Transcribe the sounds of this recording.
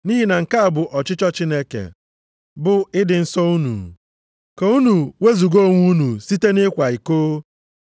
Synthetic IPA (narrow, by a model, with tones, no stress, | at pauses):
ni˦ɦi˦na˨ŋ̩˨ka˦a˨bʊ˨ʔɔ˨t͡ʃɪ˦t͡ʃɔ˦t͡ʃi˦ne˦kḛ˨ | bʊ˦ɪ˦dɪ˨n̩˦sɔ˦u˦nṵ˨ | ke˨u˦nu˨we˦zu˨ɡo˦o˦˨ŋʷu˦nu˨si˦te˦nɪ˦kʷa˨i˨koː˦